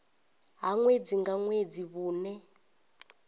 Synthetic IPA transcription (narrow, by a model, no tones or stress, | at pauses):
ɦaŋwed͡ziŋɡaŋwed͡ziβuːnɛ